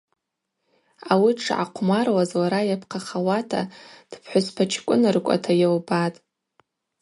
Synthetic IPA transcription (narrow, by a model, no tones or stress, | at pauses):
awiʈ͡ʂʰʕa̰qʷʰmarwazwaɾajapʰqʰaχawatʰa̰d̥pʰħʷʊspʰat͡ʃʰkʷʼʊnɨrkʷʼa̰tʰajawbatʼ